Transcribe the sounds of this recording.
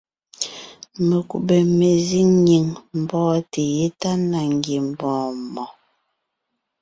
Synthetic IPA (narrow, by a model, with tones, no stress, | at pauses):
me˨kṵ˨be˨me˨zi˦ŋɲi˨ŋm̩˨bɔ̃ː˦te˨je˦ta˦na˨ŋ˦ɡi˨m̩˨bɔ̃ː˨˦mɔ˨